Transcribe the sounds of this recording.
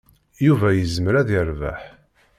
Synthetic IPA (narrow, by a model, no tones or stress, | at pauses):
juvæjəzməɾæðəɾvæ̰ħ